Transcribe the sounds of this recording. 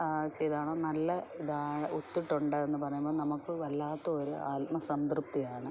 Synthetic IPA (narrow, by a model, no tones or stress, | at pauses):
t͡ɕe̞jðaːɳoːnɐlːɐid̪aːɻɐʔut̪ːiʈːuɳɖɨenːɨpɐrɐjːumboːnɐmukːɨʋɐlːaːt̪ːɐoɾua̰ːt̪̚mɐsɐmd̪rup̚t̪ijaːɳɨ